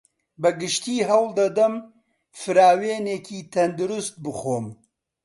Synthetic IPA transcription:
bɐɡɨʃt̪iːɦɐwld̪ɐd̪ɐm | fɨɾaːweːneːkʰiːt̪ʰɐnd̪uɾʊst̪̚bɨxoːm

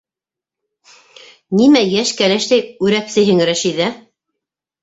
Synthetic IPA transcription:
nimæjæʃkælæʃlæjʉɾæpsɘ̆jɦɘŋɾæʃiðæ

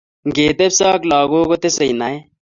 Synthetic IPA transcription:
ɡeːt̪ebsaːklaːɡoːkot̪esəjnae

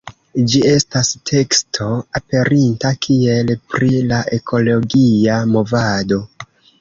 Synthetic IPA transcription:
d͡ʒie̞stastʰe̞kstʰo̞ape̞ɾintakʰie̞lpɾilaʔe̞kʰo̞lo̞ɡiamo̞vado̞

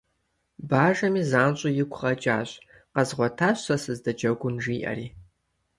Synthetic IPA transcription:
baːʒɐmizaːnt͡ʃʼʊjɪkʷʰʼχɐt͡ʃʼa̰ːɕʷ | qɐzʁʷɔtʰaːɕʷːasɨzdɐd͡ʒɐɡʷʊnʒiːʔɐ̰riː

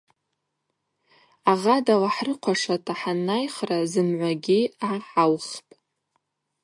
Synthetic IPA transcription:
aʁadalaħrɨqʷʰaʂatʰaħanːajχrazɨmʕʷaɡʲiaħawχpʼ

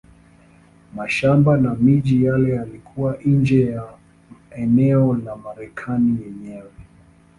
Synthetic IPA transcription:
maʃambanamiʄijalɛjalikʰuwaʔnd͡ʒɛja | ɛnɛɔlamaɾɛkʰanijɛɲɛwɛ

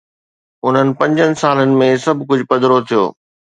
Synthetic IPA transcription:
ʊn̤ənɪ̆pɐ̃ɲd͡ʑənɪ̆saːlənɪ̆mẽsɐbʱkʊd͡ʑʱʊpɐd̪ɾot̪ʰijo̰ː

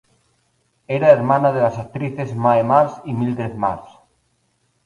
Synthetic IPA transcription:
eɾaeɾmãnaðelasak̚t̪ɾiθezmaemaɾsimild̪eθma̰ɾs

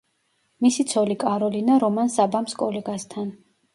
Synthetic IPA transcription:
misit̪sʰɔlikʼaɾɔlinaɾɔmansabamskʼɔlɛɡast̪ʰan

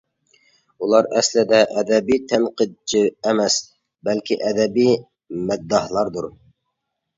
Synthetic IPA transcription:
ulˠɑɾɛslɪd̪ɛʔɛd̪ɛbijt̪ʰæmqɨd̪̚t͡ʃʰiɛmɛs | bælkʲiʔɛd̪ɛbij | mɛd̪ːɑhlˠɑɾd̪uɾ

